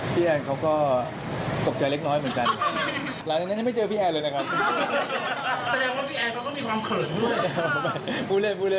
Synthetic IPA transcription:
pʰiː˥˩ʔɛː˧nkʰa˦˥wkɔː˥˩ | t͡ɕo˨˩p̚t͡ɕaː˧jle˦˥k̚nɔː˦˥jmɯ˩˦nka˧n˦ | la˨˦jt͡ɕa˨˩n˧˦˥na˥˩ma˥˩jt͡ɕɤː˧pʰiː˥˩ʔɛː˧nlɤː˧jna˦˥kʰa˦˥p̚ | sa˧dɛː˧ŋwaː˥˩pʰiː˥˩ʔɛː˧nkɔ˥˩t̪ɔ˥˩miː˧kʰwaː˧mkʰɤː˨˩t̪̚ːma˥˧˩pʰuː˥˩le˥˩npʰuː˥˩le˥˩

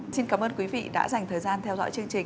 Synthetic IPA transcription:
si˧nkaː˨˦mʔəː˧nkwi˨˦vḭ˧˨ɗa̰ː˧˥za˨˩jŋ̟t̪ʰəː˨˩jzaː˧nt̪ʰɛ˧wzɔ̰˧˥jt͡ɕɨ˧əŋt͡ɕï˨˩ŋ

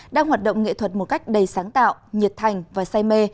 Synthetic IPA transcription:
ɗaː˧ŋhwaː˨˩t̚ɗə̰˧˨wŋ͡mŋḛ˧˨t̪ʰwə˨˩t̚mo˨˩ka˦˥jk̟̚ɗə˨˧˩jsaː˨˦ŋt̪a̰ː˧˨wɲi˨˩ət̚t̪ʰa˨˩jŋ̟vaː˨˩saː˧jme˧

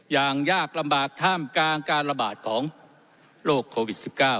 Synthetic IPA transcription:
jaː˨˩ŋjaː˥˩k̚la˧mbaː˨˩k̚t̪ʰaː˥˩mkaː˧nkaː˧nɾa˧baː˨˩t̪̚kʰɔː˩˦ŋ | loː˥˩kʰːoː˧wi˨˩t̪̚si˨˩p̚kaː˥˩w

